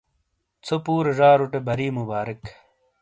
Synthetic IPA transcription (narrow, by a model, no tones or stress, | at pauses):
t͡sʰopuːɾʐaːɾuʈebɐɾiːmubaːɾɐk